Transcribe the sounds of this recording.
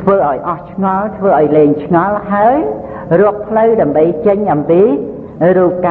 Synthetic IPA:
t̪ʰʋəːʔaɔjʔɑht͡ɕʰŋɑlt̪ʰʋəːʔaɔjleːŋt͡ɕʰŋɑlhaəj | rʊ̆ək̚pʰləwɗaəmɓəjt͡ɕəɲʔɑmpiː | ruːp̚ka

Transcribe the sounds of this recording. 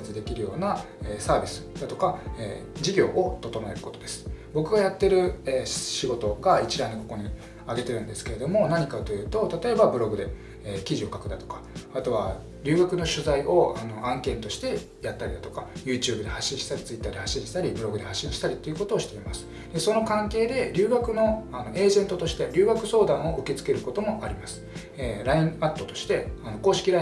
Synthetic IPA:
t͡sɨd̪e̞kʲiɾɯ̟jo̞ːna | eːsaːbʲisɨ̥d̪at̪o̞kaḛːd͡ʑiɡʲo̞ːʔot̪o̞t̪o̞maeɾɯ̟ko̞t̪o̞d̪e̞sɨ̥bo̞kɯ̟ɡajat̪ːe̞ɾɯ̟eːɕiɡo̞t̪o̞ɡait͡ɕiɾãinːoko̞ko̞ɲ̟i | aɡe̞t̪e̞ɾɯ̟nd̪e̞sɨ̥ke̞ɾe̞d̪o̞mo̞naɲ̟ikat̪o̞jɯ̟ːt̪o̞t̪at̪o̞e̞babɯ̟ɾo̞ɡɯ̟d̪e̞ | eːkʲiʑio̞kakɯ̟d̪at̪o̞̥kḁat̪o̞βa | ɾʲɨ̟ːɡakɯ̟no̞ɕɨzaiʔo̞ano̞ʔãŋkẽ̞nt̪o̞ɕi̥t̪e̞ | jat̪ːaɾʲid̪at̪o̞kajɯ̟ːt͡ɕɨ̟ːbɯd̪e̞haɕːĩɰ̃ɕi̥t̪aɾʲit͡sɨit̪ːaːd̪eaɕːĩɕi̥t̪aɾʲibɯ̟ɾo̞ɡɯ̟d̪e̞haɕːĩɕi̥t̪aɾʲit̪ːo̞iɯ̟ko̞t̪oːɕi̥t̪e̞imasɨ̥ | d̪̥e̞so̞no̞kãŋke̞ːd̪e̞ɾʲɨːɡakɯ̟no̞ano̞ʔe̞ːʑẽ̞nt̪ot̪o̞ɕi̥t̪e̞ɾʲɨːɡakɯ̟so̞ːd̪ãɰ̃o̞ʔɯ̟ke̞t͡sɨ̥ke̞ɾɯ̟ko̞t̪o̞mo̞ʔaɾʲimasɨ̥ | eɾaĩat̪ːo̞t̪o̞ɕi̥t̪e̞ano̞ko̞ːɕi̥kʲiɾa

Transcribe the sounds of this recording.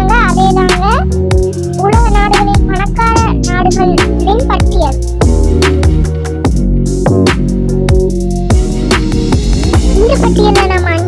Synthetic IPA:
ŋɡɐɐðeːnaːɡɐ | ʊɻɐɣɐnaːɽɯɣɐɭɪnpɐɳɐkːaːɻɐnaːɽɯɣɐɭ | lɪnpɐʈːɪjɐl | ɪŋɡɯpːɐʈːɪɛnːɐnamːŋ

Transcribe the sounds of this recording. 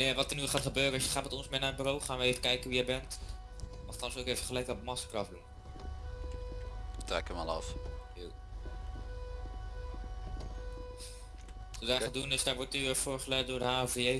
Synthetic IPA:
neʋɑtərnyχaːtχəbøːrəsjəχaːtmɛtɔnsmɪnaːəbyrowχaːnʋəejvəkɛjkənʋijɛjbɛnt | ɔftɑlsowkejvəχəlɛjkəɔbəmɑsə̥krɑvələ | trɛkəma̰lˠɑ̰fjo | ədaːɹχədunɪsdaːɹʋɔɹtnyfʊːɹχəlɛtdʊːɹdəɦaːvəjej

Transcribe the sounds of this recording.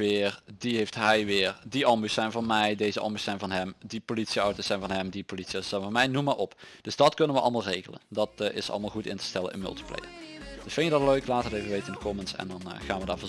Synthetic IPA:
ɪːrdiɦeftɦɛjʋɪːrdiʔɑmbysɛjnvɑnmɛjdejzəʔɑ̰mbysɛjnvɑnɦɛmdipolitsiɑwtosɛjnvɑnɦɛmdipolitsiɔsɛnvɑnmɛjnumaːʔɔpdd̥ɵzdɑtkɵnənʋəʔɑ̰lˠmaːlˠrejɣələ̰ndɑtɪ̰sɑ̰lˠmaːlˠɣutɪ̰ntə̥stɛlə̰nʔə̰nmɵ̰lˠti̥plḛjd̥əsfɪnjədɑtløɥklaːtərɪvəʋejtənkʰɔmənsɛ̰ndɑnχaːnʋədaːɹvɔ

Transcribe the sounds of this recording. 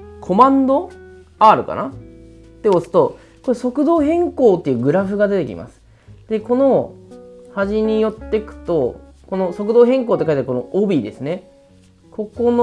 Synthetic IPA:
kʰo̞mãnd̪o̞ | aːɾɯ̟ka̰na | t̪ːe̞osɨ̥t̪o̞ | ko̞ɾeso̞kɯ̟d̪o̞ːɦẽ̞ŋko̞ːt̪ːeiɯ̟ːɡɯ̟ɾaɸɯ̟ɡad̪e̞t̪e̞kʲḭma̰sɨ̥ | d̪̥e̞ko̞no | haʑiɲ̟ijo̞t̪ːe̞kɯ̟̥t̪o̞ | ko̞no̞so̞k̬ɯ̟d̪o̞ːɦẽ̞ŋko̞ːt̪ːekait̪aɾiko̞no̞ʔobʲid̪e̞sɨne̞ | kʰo̞ko̞no

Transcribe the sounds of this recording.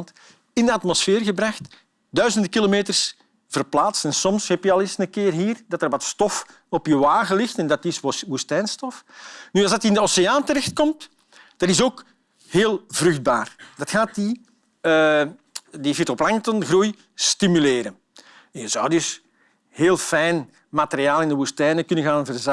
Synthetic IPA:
nt | ɪndəɑtmosfɪːrɣəbraxt | dœɥzəndəkilomeːtərs | v̥ərplaːtstɛnsɔmshɛpjəɑlˠɪːsnəkɪːrɦiːrdɑtərʋɑtstɔf | ɔpjəʋaːɣəlɪxtɛndɑtɪsɦustɛːnstɔfnyɑlˠzdɑtɪndəoseaːntəɾɛxt̚kɔmt | d̥ɑnɪsoːk | heːlˠvrʏxd̚baːrdɑtxaːt̚di | divɪtɔplaŋtənɣruj | stimyleːɾən | ɛnjəzɑwdʏs | heːlˠfɛjn | mateɾiaːlˠɪndəɦustɛːnəkʏnənɣaːnvərz

